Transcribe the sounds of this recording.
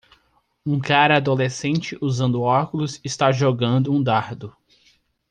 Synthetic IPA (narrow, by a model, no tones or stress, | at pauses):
ũkaɾɐad̪olesẽnt͡ʃɪʔuzɐ̃nd̪ʊɔkʊlʊzɪst̪aʒoɡɐ̃nd̪ʊũd̪aɾd̪ʊ